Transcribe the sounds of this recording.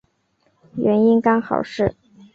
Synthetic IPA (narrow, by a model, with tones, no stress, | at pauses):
ɥɛ˧˥ni˥nkɑ˥ŋxɑ̰˨˩ʊʂɻ̩˥˩